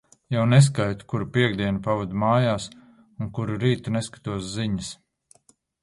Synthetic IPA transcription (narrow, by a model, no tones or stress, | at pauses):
jawnes̬kajt̪u̥kuɾupiɛɡd̪iɛnupavɔd̪maːjaːs | unkuɾuɾiːt̪unɛskḁt̪uɔsziɲəs